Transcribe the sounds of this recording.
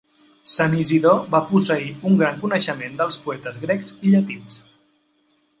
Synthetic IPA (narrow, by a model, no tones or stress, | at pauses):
səniziðoβapusəiuŋɡɾaŋkunəʃəmend̪əlˠspuɛt̪əzɣɾɛkziʎət̪ins